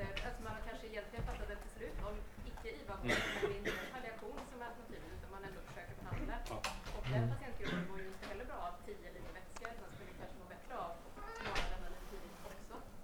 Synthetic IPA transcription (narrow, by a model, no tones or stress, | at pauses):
at̪smankʰanʂəɪjɛnt̪lɪɡənfat̪ːat̪ɛt̪ʰːɪslʉːt̪ɔmɪkːəiːvafɔɔɪnt̪ʰalɪaɧuːnsɔmvaːlpʰat̪ʰiːd̪ənʉːt̪anmanɛnd̪ʊfœ̥ʂøːkəɾbɛɦand̪laʔɔkd̪ɛɦ̪at̪ʰɛŋk̪kəjɾɔd̪ɛɡoːɾjəɪnt̪ːəɦɛlːəɾbɾɑːavt̪ʰiːjəɛliːvɛt̪skaɾmanskʰɵəkʰanʂəɡoːbɛt̪ːɾəav | nɑːlanənɪt̪ʰiːd̪ɪt̪ɔksɔ